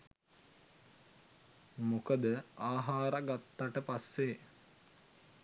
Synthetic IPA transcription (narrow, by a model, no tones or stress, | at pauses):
mukəd̪əaːɦaːɾaɡat̪ːaʈəpasːe